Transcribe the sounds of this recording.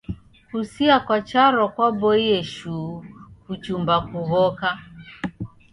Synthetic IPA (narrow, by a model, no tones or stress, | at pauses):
husiakwat͡ʃaɾɔkwabɔiɛʃuːkut͡ʃumbakuɣɔka